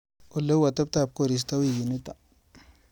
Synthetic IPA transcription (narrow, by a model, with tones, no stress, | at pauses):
o˨le˦wa˨t̪a˦p̚t̪a˦˨p̚ko˦ɾi˨s̬t̪a˦wi˦˨ji˨ni˦t̪a˨